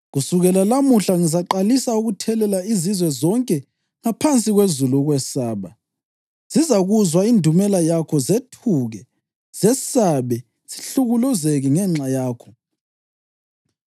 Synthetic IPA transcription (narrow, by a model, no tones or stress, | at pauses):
ɣusuɣɛlalamuɬaŋizaǃalisauɣutʰɛlɛlaizizwɛzɔŋkʼɛ | ŋapʰant͡sʼiɣwezuluɣwɛsaːβa | z̥izaɣuzwaindʱumɛlajakʰɔzetʰuɣɛ | z̥ɛsaβɛ | z̥i̥ɬuɣuluzeɣiŋɛŋ͡ǁajaːkʰɔ̥